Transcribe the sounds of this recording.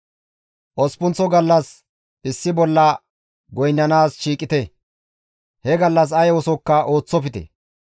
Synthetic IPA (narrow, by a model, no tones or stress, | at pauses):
ʔɔspʊnt͡sɔɡɐlːɐs | ɪsːɪbɔlːɐ | ɡɔjnːɐnaːsʃiːkʼɪt̪ɛ | hɛɡɐlːɐs̬ɐjwɔsɔkːɐʔo̞ːt͡sːɔpɪt̪ɛ̰